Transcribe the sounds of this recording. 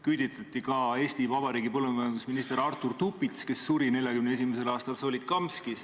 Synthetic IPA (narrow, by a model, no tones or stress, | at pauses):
kyd̪̥it̪ːˑɑt̪ˑːikɑe̞ːst̪ivɑbɑɾiːɡipɤlːumɑjɑnd̪usminist̪e̞ɾɑrt̪ːurt̪upːit̪ske̞sːuɾine̞lʲjɑkymneesimese̞lɑːst̪ɑlsoːlit̪̚kɑmskis